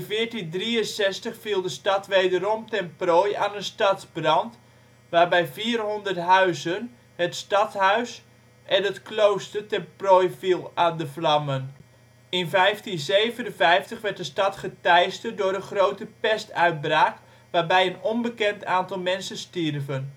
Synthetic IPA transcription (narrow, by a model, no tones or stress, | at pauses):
nfɪəɹtindriənsɛstəχfilˠdəstɑtʋeːdəɾɔmtɛnprojaːnənstɑtbrɑnt | ʋaːrbɛjfiːərɦondərtɦœɥzən | hətstɑthœɥs | ʔɛnətklowstərtɛnproːjfilˠaːndəflɑmən | ɪnfɛjftinsejvənənfɛjftəχʋɛrt̚dəstɑtχətɛjstədʊɾənχrowtəpɛstœɥt̚braːk | ʋaːrbɛjənɔnbəkɛntʰaːntɑlˠmɛnsənstirvən